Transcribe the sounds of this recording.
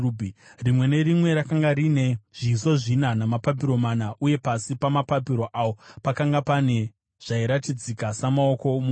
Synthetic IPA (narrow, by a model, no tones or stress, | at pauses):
rimwe̞ne̞rimwe̞ɾakaŋɡaɾine̞ʐ̥iːso̞ʐinanamapap̬iɾo̞manaʔuje̞pasipamapapiɾo̞ʔaːwo̞pakaŋɡapane̞ | ʐ̥aiɾatid͡zikasamao̞ko̞mu